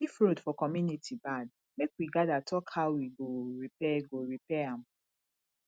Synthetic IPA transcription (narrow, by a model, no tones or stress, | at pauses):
ifɾodfɔkɔmjunitʰibad̚ | mekwiɡadatʰɔkhaʊwiɡoɹipɛɡoɹipɛam̩